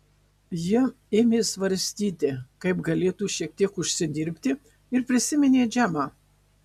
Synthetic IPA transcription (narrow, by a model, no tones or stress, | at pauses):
jɪ | eːmʲeːsʋɐɾʲsʲt̪ʲiːt̪ʲɪkɐɪpɡɐlʲeːt̪uːʃʲiɛk̚t̪ʲiɛkʊʃʲsʲɪd̪ʲɪɾʲpʲt̪ʲɪ | ɪɾpʲɾʲɪsʲɪmʲɛnʲeːd͡ʒʲæːmɑː